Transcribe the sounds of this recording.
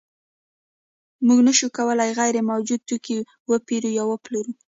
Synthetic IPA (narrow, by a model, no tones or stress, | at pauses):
muɡnəʃukawəlajɣajɾemawd͡ʒud̪̚t̪uki | wəpiɾujɑwəploɾu